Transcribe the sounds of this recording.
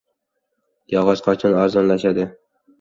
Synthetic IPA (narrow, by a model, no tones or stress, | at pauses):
jɒʁɑʃqʰɒt͡ʃʰɪnɒɾzɒnlaʃad̪ɪ